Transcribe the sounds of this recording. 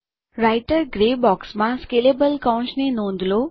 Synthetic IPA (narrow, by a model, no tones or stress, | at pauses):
ɾaiʈəɾɡɾebɔksmãskelebəlkãw̃t͡ʃnenõnd̪ʱlo